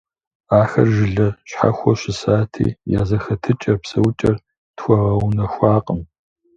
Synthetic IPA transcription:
aːxɐrʒɪɮɐɕħa̰xʷɔɕɪsaːtʰḭːja̰ːzɐxɐtʰɨt͡ʃʼɐrpsɐwt͡ʃʼɐr | txʷɔʁɐwnɐxʷaːqʼəm

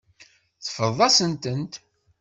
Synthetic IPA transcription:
θə̥fəðˤːɑsənt̪ənt̪

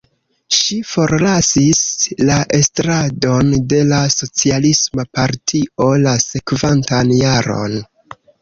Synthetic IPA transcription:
ʃifo̞ɾlasislaʔe̞stɾado̞nde̞laso̞t͡sialismapaɾtʰio̞lase̞kvantanjaɾo̞̰n

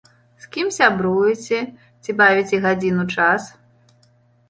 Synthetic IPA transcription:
skʲimsʲabɾujɛt͡sʲɛ | t͡sʲibavʲit͡sʲɛɣad͡zʲinut͡ʂas

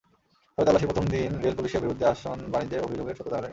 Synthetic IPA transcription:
ɔɾet̪alːaʃipɾot̪ʰomd̪inɾelpuliʃeɾbiɾud̪ʱːeaʃonbanid͡ʑeɾobʱid͡ʑoɡeɾʃʰot̪ːod̪ʱaɾe

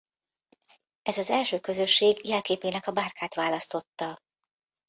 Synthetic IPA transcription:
ɛzɒzɛlʃøːkø̞zø̞ʃːeːɡjɛlkeːpeːnɛkɒbaːrkʰaːt̪ʋaːlɒst̪o̞t̪ːɒ

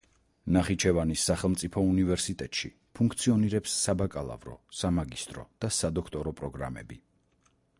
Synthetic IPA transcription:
naχit͡ʃʰɛvanisːaχɛlˠmt̪sʼipʰɔunivɛɾsit̪ʼɛt̪ʼʃḭ | pʰuŋkʰt̪sʰiɔniɾɛpsːabakʼalˠa̰vɾɔ̰samaɡist̪ʼɾɔ̰d̪̥asad̪ɔkʰt̪ʼɔɾɔpʼɾɔɡɾa̰mɛ̰bi

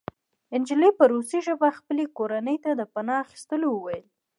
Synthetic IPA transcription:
ɪnd͡ʒɪlipəɾosiʒəbaxpəlekoɾanəjt̪ad̪əpanɑːxi̥st̪əlowəwajəl

